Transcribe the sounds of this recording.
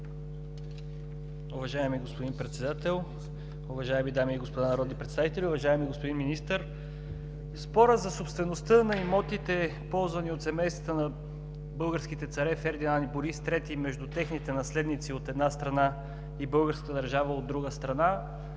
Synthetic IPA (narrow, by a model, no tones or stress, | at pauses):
ʊvɐʒaɛmiɡospod̪inpɾɛt̪sɛd̪at̪ɛlˠ | ʊvɐʒaɛmid̪amiːɡospod̪anɐɾɔd̪nipɾɛt̪savit̪ɛlʲiʊvɐʒaɛmiɡospod̪inminist̪əɾ | spɔɾəzɐsopst̪vɛnost̪ɤnɐimɔt̪it̪ɛpɔlˠzvɐniot̪sɛmɛjst̪vɐt̪ənɐ | bɤlˠɡəɾskit̪ɛt̪sɐɾɛfɛɾd̪inaniboɾist̪ɾɛt̪imɛʒd̪ut̪ɛxnit̪ɛnɐslɛd̪nit̪siot̪ɛd̪nast̪ɾɐna | ibɤlˠɡəɾskət̪əd̪əɾʒavəod̪ːɾuɡəst̪ɾɐna